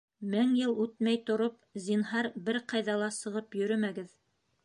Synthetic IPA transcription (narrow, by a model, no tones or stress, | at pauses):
mæŋjɤlˠʉt̪mæjt̪ŏɾop̚zinɦɑɾbɘɾqɑjðɑlˠɑsɤ̆ʁɤpjɵ̆ɾɵmæɡɘð